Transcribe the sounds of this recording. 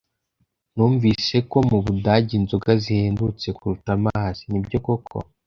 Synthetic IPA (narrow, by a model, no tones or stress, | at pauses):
nuːɱvise̞ko̞muβudaɟinzuɡazihe̞ːndut͡se̞kuɾutamaːz̥inibɟo̞kokʰo̞̰